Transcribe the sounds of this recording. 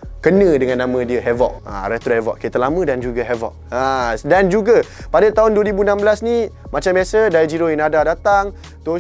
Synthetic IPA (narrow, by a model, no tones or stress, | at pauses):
kənə̃dəŋanːãmə̃diəɦɛvɔk̚a̰ɾɛt̪uhɛvɔ̰ʔ̚kit̪əlamə̃dand͡ʒuɡəɦɛvɔ̰ʔadand͡ʒuɡəpadat̪aɦʊnduəɾibunãmbəlasni | mat͡ʃambiasədajəd͡ʒiɾoinadadat̪aŋ | t̪o